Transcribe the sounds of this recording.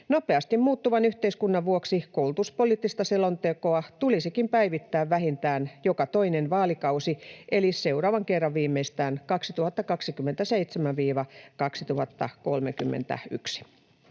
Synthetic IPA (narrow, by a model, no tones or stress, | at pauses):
nopeɑst̪immuːt̪ːuʋɑnyht̪eiskunːɑʋʋuoksikowlut̪uspoliːt̪ːist̪ɑselont̪ekoɑt̪ulisikimpæiʋit̪ːæːʋʋæɦint̪æːnjokɑt̪oinenʋɑːlikɑusiʔelise̞urɑːʋɑŋkerːɑʋʋiːmːeist̪æːnkɑksit̪uhɑt̪ːɑkɑksikymːent̪æseit̪semæʋʋiːʋɑkɑksit̪uhɑt̪ːɑ̰kolmekymːḛnt̪æ̰y̰ksi̥